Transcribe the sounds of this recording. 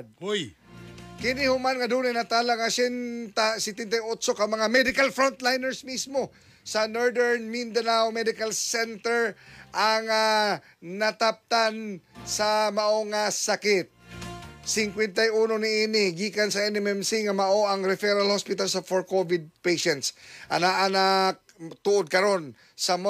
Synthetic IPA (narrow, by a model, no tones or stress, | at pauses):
j | kɪnɪhʊmanŋɐd̪uːnajnɐt̪alaŋasɛnt̪asɪt̪ɪnt̪ajot̪sokɐmɐŋamɛd̪ɪkalfɾont̪lajnɛɹsmismo̞ | sɐnoɹd̪ɛɹnmind̪anawmɛd̪ɪkalsɛnt̪ɛɹʔaŋa | nɐt̪ap̚t̪ansɐmɐʔoŋasakɪt̪̚ | sɪŋkwɛnt̪ajuːnonɪinɪɡiːkansɐɛnɛmɛmsiŋɐmɐʔo̞ʔɐŋɾɛfɛɾalhospɪt̪alsɐfoɹkovɪd̪̚pejʃɛnt̪sʔɐ̰naʔanak | t̪uʔod̪̚kɐɾo̞n | sɐm